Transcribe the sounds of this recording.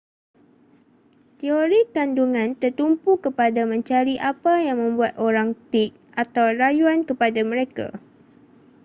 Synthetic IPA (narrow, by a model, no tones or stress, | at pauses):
t̪ioɾikanduŋãnt̪ərt̪umpukəpadamə̃ɲt͡ʃaɾiʔapajaŋmə̃mbuat̪̚ʔoɾaŋt̪ik̚ | at̪awrajuankəpadamə̃ɾeka̰